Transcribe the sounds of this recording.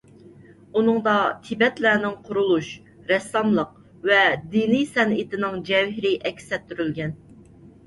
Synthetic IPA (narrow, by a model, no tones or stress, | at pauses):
unɨŋd̪ɑt̪ʰɪbɛt̪læːnɪŋqʰʊɾulˠuʃ | ɾɛsːɑmlˠəq | vɛd̪inijsɛnɪt̪ɪnɪŋd͡ʒɛvɦɪɾɪʔɛkʲsɛt̪ʰːyɾylɡʲɛn